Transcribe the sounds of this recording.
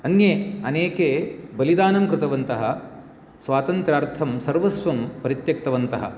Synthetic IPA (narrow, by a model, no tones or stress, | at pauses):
ɐnjeɐneːkeːbɐlid̪aːnɐmkɾɪt̪ɐʋɐnt̪ɐɦɐ | sʋaːt̪ɐnt̪ɾaːɾt̪ʰɐmsɐɾʋɐsʋɐmpɐɾit̪jɐk̚t̪ɐʋɐnt̪ɐɦɐ̰